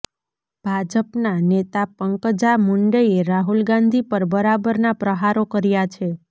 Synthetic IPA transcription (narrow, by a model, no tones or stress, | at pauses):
b̥ʱad͡ʒəpnanet̪apəŋkəd͡ʒamuɳɖəeɾaɦulɡãnd̪ʱipəɾbəɾabəɾnapɾəɦaɾokəɾjat͡ʃʰe